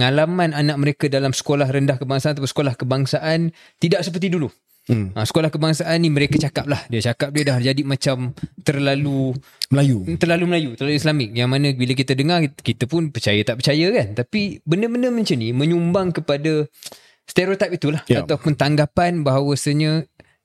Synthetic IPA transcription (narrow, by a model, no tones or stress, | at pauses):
ŋalamananãʔ̚məɾekadalamsə̥kolahrəndahkəbaŋsanat̪apunsə̥kolahkəbaŋsaʔan | t̪idaʔ̚səp̬ərt̪idulu | asə̥kolahkəbaŋsaʔanːiməɾekat͡ʃakap̚lahdiat͡ʃakap̚diədaɦd͡ʒadimat͡ʃamt̪ərlalu | məlajut̪ərlaluməlajut̪ərlaluislamɪk̚jaŋmanə̃bilək̬it̪ədəŋarkit̪əpʊnpərt͡ʃajət̪aʔpərt͡ʃajəkant̪apibəndəbəndəməɲt͡ʃənimə̃ɲumbaŋkəpada | st̪eɾot̪apit̪ulahat̪awpunt̪aŋɡapanbaɦawasəɲə